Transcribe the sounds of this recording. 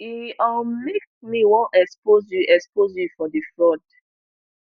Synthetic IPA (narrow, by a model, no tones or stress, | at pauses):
iɔmek̚miwɔ̃ʔɛkspozjuʔɛkspozjufɔdifɔd